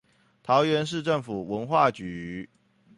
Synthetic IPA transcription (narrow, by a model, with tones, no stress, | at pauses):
t̪ʰɑ˨˦ʊɥɛ˧˦nʂ̬ɻ̩˥˧ʈ͡ʂə˥˩ŋfu˨˩wə˧˦˥nxwa˥˨t͡ɕy˨˦